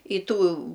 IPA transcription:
ɪ ˈtuː

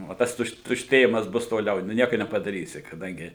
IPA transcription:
oː ˈtɐs ˈtʊʃt tʊʃʲˈtʲeːjɪmɐs ˈbʊs toːˈlʲɛʊ nʊ ˈnʲiɛkʊ nʲɛpɐdɐˈrʲiːsʲɪ kɐˈdɐŋʲɡʲɪ

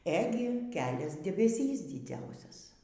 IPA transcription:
ˈæːɡʲɪ ˈkʲæːlʲɛs dʲɛbʲɛˈsʲiːs dʲɪˈd͡zʲɛʊsʲɛs

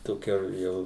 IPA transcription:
toːˈkʲɛ ˈjɛʊ

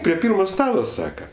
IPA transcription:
pʲrʲiɛ ˈpʲiːrmoː ˈstɑːlˠoː ˈsɑːkɐ

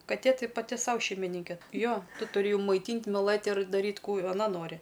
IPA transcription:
kɐˈtʲeː ˈtɐɪ pɐˈtʲɪ ˈsɐʊ ʃʲɛɪmʲɪˈnʲɪŋʲkʲɛ ˈjoː ˈtʊ tʊrʲɪ mɐɪˈtʲiːnʲtʲ mʲɪˈlˠɘtʲ ɪr dɐˈrʲiːtʲ ˈkuː ɐˈnɐ ˈnoːrʲɪ

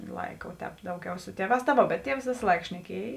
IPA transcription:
ˈlˠɐɪkɐ oː ˈtʲɛːp ˈdɐʊˌɡʲɛʊ ˈsʊ ˈtʲiɛˌʋɑːs tɐ ˈʋoː bʲɛt ˈtʲiɛws ˈʋʲeːsɐ ˈlˠɐɪkɐ ʃʲnʲɛˈkʲiɛj

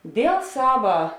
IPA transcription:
ˈdʲeːlˠ ˈsɑːʋɐ

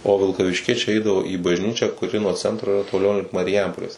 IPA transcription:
oː ʋʲɪlˠkɐʋʲɪʃʲˈkʲiɛt͡ʃʲɛɪ ˈɛɪdɐʋoː iː bɐʒʲˈnʲiːt͡ʃʲæː kʊˈrʲɪ nuɔ ˈt͡sʲɛntroː ɪˈrɐ toːˈlʲɛʊ lʲɪŋk mɐrʲɪˈjɛmpoːlʲeːs

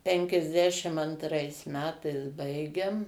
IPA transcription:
ˌpʲɛŋʲkʲɛzʲˈdʲæːʃʲɪm ɐntˈrɐɪs ˈmʲæːtɐɪs ˈbɐɪɡʲɛm

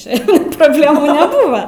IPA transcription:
ˈt͡ʃʲɛ proːbʲlʲeːˈmʊ nʲɛˈbuːʋɐ

